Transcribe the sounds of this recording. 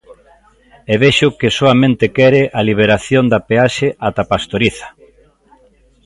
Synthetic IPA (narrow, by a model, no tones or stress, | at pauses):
eβeʃʊkɪsoamẽnt̪ɪkɛɾɪʔaliβ̞eɾaθjond̪apeaʃeʔat̪apast̪oɾiθɐ̥